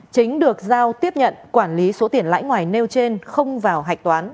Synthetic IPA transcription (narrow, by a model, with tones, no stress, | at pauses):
t͡ɕï˨˦ŋ̟ɗɨ˨˩ək̚zaː˧wt̪i˦˥əp̚ɲə̰˧˨nkwaː˧˩nli˨˦so˨˦t̪i˧˩ənla̰ː˧˥jŋwaː˨˩jne˧wt͡ɕe˧nxə˧wŋ͡mvaː˨˩wɦa˨˩jk̚t̪waː˨˦n